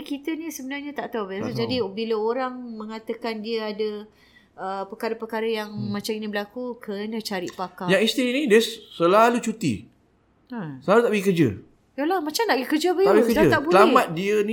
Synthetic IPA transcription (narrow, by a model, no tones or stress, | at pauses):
kit̪ənĩsəbənarɲat̪aʔt̪awbaasad͡ʒadibiləoɾaŋmə̃ŋat̪əkandiəadə | əpəkaɾəpəkaɾəjaŋmãt͡ʃaminibəlakukʰənãt͡ʃaɾɪʔpakajaŋist̪inĩdiəsəlalut͡ʃut̪ḭ | asəlalut̪aʔbəɡikəd͡ʒə̰ | jalahmat͡ʃamnaʔɡəkərd͡ʒəbəabkkəaət̪aʔsbuəlamat̪̚diəni